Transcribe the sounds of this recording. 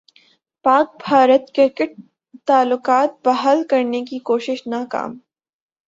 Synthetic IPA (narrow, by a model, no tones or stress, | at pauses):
paːk̚bʱaːɾət̪kɪɾkɪʈ̚ | t̪aːlːʊkaːt̪̚bɐɦalkɐɾnekikoːʃɪʃnaːka̰ːm